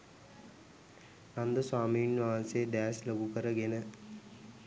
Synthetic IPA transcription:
nɐnd̪əswaːminʋaːnseɖ̪æːsloɡukəɾəɡenə

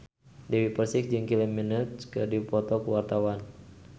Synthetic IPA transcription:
dɛwipərsɪk̚d͡ʒɨŋkiliminət̪̚kɨdipɔt̪ɔkuwart̪awan

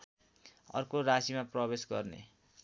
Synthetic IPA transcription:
ʌ̰rkoɾasimaprʌbesɡʌrnḛ

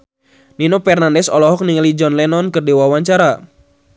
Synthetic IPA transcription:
ninopɛrnandɛsɔlɔɦɔk̚niŋəlid͡ʒɔnlɛnɔnkɨrdiwawaɲt͡ʃaɾa

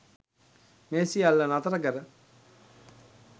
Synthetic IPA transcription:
meːsialːənat̪əɾəkəɾə

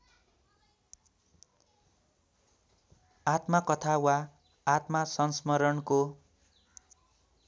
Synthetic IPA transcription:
at̪makʌt̪ʰawaː | t̪masʌnsmʌɾʌnko

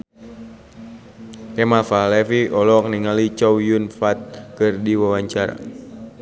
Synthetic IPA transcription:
ɛmalfalɛfiʔɔlɔk̚niŋalit͡ʃɔwjunfat̪̚kɨrdiwawaɲt͡ʃaɾa̰

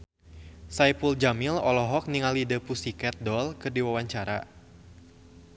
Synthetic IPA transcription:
sajpuld͡ʒamilɔlɔɦɔk̚niŋalidəpusikɛt̪̚dɔlkɨrdiwawaɲt͡ʃaɾa̰

